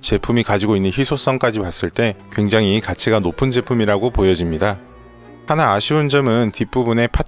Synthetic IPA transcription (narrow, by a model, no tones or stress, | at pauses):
t͡ɕe̞pʰumikad͡ʑiɡoinːɯnçisʰos͈ʌŋk͈ad͡ʑipas͈ɯɭt͈e̞kwe̞ŋd͡ʑaŋikat͡ɕʰiɡanopʰɯnd͡ʑe̞pʰumiɾaɡopojʌd͡ʑimɲida | hanaːɕʰiund͡ʑʌmɯntip͈ubune̞pʰa